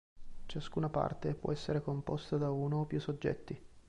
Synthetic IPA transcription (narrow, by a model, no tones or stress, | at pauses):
t͡ʃaskuːnapa̰rt̪epwɔ̰ɛsːeɾekompɔst̪ad̪auːnoːpjusod͡ʒːɛ̰t̪ːi